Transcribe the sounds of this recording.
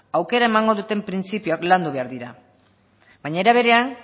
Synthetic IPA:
awke̞ɾae̞maŋɡo̞ðut̪e̞mpɾint͡sipijoakland̪uβe̞aɾðiɾa̰ | baɲaeɾaβ̞e̞ɾe̞an

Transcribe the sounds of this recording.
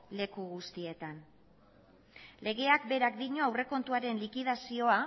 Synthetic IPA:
le̞kuɣust̪ie̞t̪an | le̞ɣ̞e̞akbe̞ɾakd̪iɲo̞awre̞ko̞nt̪uaɾe̞nlikið̞asio̞a

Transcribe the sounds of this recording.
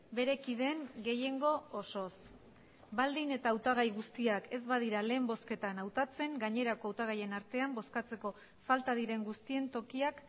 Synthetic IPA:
be̞ɾe̞kiðe̞ŋɡe̞je̞ŋɡo̞ːso̞s | bald̪ine̞t̪awt̪aɣ̞ajɣust̪iake̞zbaðiɾale̞ːmbo̞ske̞t̪anawt̪at͡se̞ŋɡaɲe̞ɾako̞awt̪aɣ̞aje̞naɾt̪e̞ambo̞skat͡se̞ko̞ | falt̪aðiɾe̞ŋɡust̪ie̞nt̪o̞kiak

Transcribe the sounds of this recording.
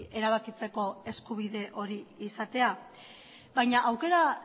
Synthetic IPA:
e̞ɾaβ̞akit͡se̞ko̞e̞skuβ̞iðe̞ʔo̞ɾiːsat̪e̞a | βajɲaʔawke̞ɾa

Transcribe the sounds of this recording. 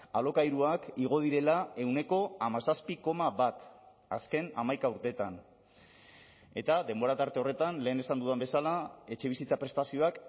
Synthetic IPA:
alo̞kajɾuakiɣ̞o̞ð̞iɾe̞lae̞wne̞ko̞amasaspiko̞maβat̪ | a̰ske̞na̰majkauɾt̪e̞t̪an | e̞t̪aðe̞mbo̞ɾat̪aɾt̪e̞o̞re̞t̪anle̞ːne̞sand̪uðambe̞salae̞t͡ʃe̞β̞isit͡sapɾe̞st̪asio̞ak

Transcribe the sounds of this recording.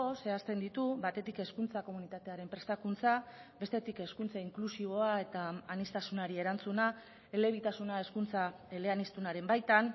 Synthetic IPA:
ose̞ast̪e̞nd̪it̪uβat̪e̞t̪ike̞skunt͡sako̞munit̪at̪e̞aɾe̞mpɾe̞st̪akunt͡sabe̞st̪e̞t̪ike̞skunt͡saiŋklusiβ̞o̞ae̞t̪aːnist̪asunaɾie̞ɾant͡suna | e̞le̞βit̪asunae̞skunt͡sa | ele̞anist̪unaɾe̞mbajt̪an

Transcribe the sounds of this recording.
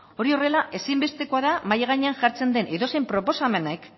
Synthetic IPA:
o̞ɾio̞re̞laʔe̞simbe̞st̪e̞ko̞aðamajeɣ̞aɲeanʝaɾt͡se̞nd̪e̞nʔiðo̞sejmpɾopo̞same̞naek

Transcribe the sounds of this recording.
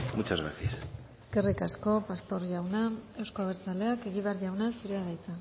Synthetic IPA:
mut͡ʃazɣɾa̰siase̞ske̞rikasko̞past̪o̞ɾʝawnae̞wsko̞aβ̞e̞ɾt͡sale̞ake̞ɣiβe̞aɾʝawnasiɾeaðajt͡sa

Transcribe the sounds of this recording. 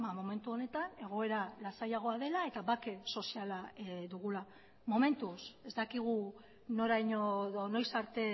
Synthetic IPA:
amo̞me̞nt̪uo̞ne̞t̪ane̞ɣ̞o̞e̞ɾalasajaɣ̞o̞aðe̞lae̞t̪aβake̞so̞sialaðuɣ̞ula | mo̞me̞nt̪usezd̪akiɣ̞u | no̞ɾajɲoono̞jsaɾt̪e̞

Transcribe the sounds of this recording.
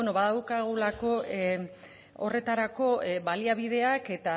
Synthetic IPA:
enoβaðawkaɣulako̞ | o̞̰re̞t̪aɾako̞βaliaβ̞iðe̞ake̞t̪a

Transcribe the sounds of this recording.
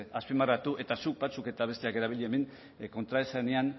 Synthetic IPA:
aspimarat̪uʔe̞t̪asuk̚bat͡suke̞t̪aβ̞e̞st̪eake̞ɾaβ̞iʎeemeŋ | ko̞nt̪ɾaesanean

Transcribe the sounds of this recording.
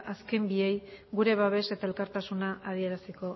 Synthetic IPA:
ʔaske̞mbiejɡuɾe̞βaβ̞e̞se̞t̪ae̞lkaɾt̪asunaʔaðie̞ɾasiko̞

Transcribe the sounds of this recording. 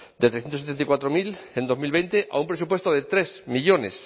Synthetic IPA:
d̪et̪ɾesθjet̪os̬et̪ent̪ikwat̪ɾomilend̪o̞milβent̪eʔa̰umpɾesupwe̞st̪oðe̞t̪ɾe̞smiʎo̞ne̞̰s

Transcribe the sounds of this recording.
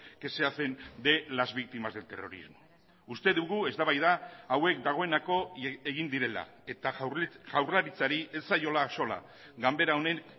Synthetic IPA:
ke̞se̞afe̞nd̪e̞lazβik̚t̪imazðe̞t̪e̞̰ro̞̰ɾḭzmo̞ | ust̪e̞ðuɣue̞zd̪aβajðaːwe̞k̚d̪aɣ̞o̞e̞nako̞eɣind̪iɾe̞la̰ | e̞t̪aʝawraɾit͡saɾie̞ssajo̞laːso̞la̰ | ɡambe̞ɾao̞ne̞ŋ

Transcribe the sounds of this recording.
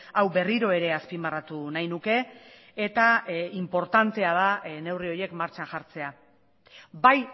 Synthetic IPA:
awbe̞riɾo̞e̞ɾe̞aspimarat̪unajnuke̞ː | t̪aimpo̞ɾt̪ant̪e̞að̞ane̞wrio̞je̞kmaɾt͡ʃanʝaɾt͡se̞a | baj

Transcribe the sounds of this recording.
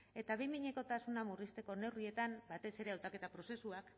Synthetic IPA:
e̞t̪aβimiɲe̞ko̞t̪asunamurist̪e̞ko̞ne̞wrie̞t̪ambat̪e̞se̞ɾe̞awt̪ake̞t̪apɾo̞se̞suak

